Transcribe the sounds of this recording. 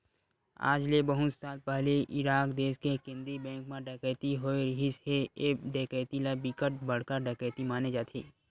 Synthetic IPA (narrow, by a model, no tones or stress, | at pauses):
a̰ːd͡ʒlebəɦʊt̪saːlpɛɦleʔɪɾaːkd̪eːskekɪ̃nd̪ɾibɛ̃ːŋkmãɖɛːkəːt̪iɦoːeɾɪɦisheeːɖeːkəːt̪ilabikəʈ̚bɐɽ̤kəɾɖeːkəːt̪imaːned͡ʒaːt̪ʰeː